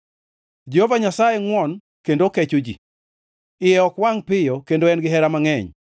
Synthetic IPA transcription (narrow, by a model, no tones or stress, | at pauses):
d͡ʒehovaɲasajeŋwɔn | kendokɛt͡ʃod͡ʒḭ | ɪjɛɔkwaŋpɪjɔkendoɛnɡɪɦɛɾamaŋɛɲ